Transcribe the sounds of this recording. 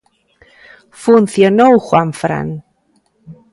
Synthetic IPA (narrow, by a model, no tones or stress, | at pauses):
fʊnθjənowχwamfɾa̰n